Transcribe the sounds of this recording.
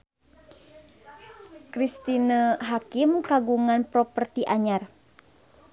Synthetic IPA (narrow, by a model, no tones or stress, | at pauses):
kɾist̪inaɦakimkaɡuŋanpɾopərt̪iʔaɲar